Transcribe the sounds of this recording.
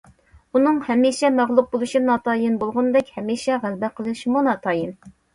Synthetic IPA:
unɨŋhɛmiʃɛmæʁlˠuq̚bolˠuʃinɑt̪ʰɑːjɨnbolˠʁʊnd̪ɛkʲhɛmiːʃɛʁælbɛqʰəlˠɨʃmunɑt̪ʰɑːjɨn

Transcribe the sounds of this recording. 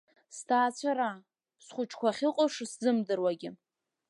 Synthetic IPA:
stʰaːt͡ɕʷʰaɾa | sχʷʊt͡ʃʰkʷʰaχʲɪqʼʊʂszɨmdɨrwaɡʲɪ

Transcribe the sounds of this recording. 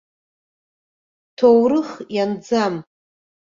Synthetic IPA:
tʰowɾɨχjand͡zam

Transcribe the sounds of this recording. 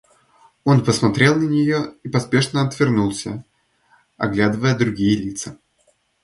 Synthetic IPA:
o̞npəsmɐt̪ɾʲe̞lˠnənʲɪjo̞ipɐspʲe̞ʂnəɐt̪vʲɪrnulˠsʲə | ɐ̰ɡlʲad̪ɨvəjəd̪ɾʊɡʲijəlʲit̪sə

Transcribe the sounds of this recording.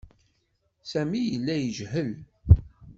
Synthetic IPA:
sæmijəlːæjəʒhəl

